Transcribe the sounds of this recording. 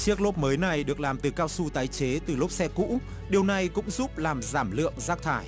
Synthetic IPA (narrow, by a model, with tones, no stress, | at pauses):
t͡ɕi˦˥ək̚lo˦˥t̚məː˨˦jna˨˩jɗɨ˨˩ək̚laː˨˩mt̪ɨ˨˩kaː˧wsu˧t̪aː˨˦jt͡ɕe˨˦t̪ɨ˨˩lʊ˦˥k͡p̚sɛ˧kṵ˧˥ | ɗi˨˩əwna˨˩jkʊ̰˧˥ŋ͡mzuː˦˥p̚laː˨˩mzaː˧˩mlɨ̰˧˨əŋzaː˦˥k̚t̪ʰaː˧˩j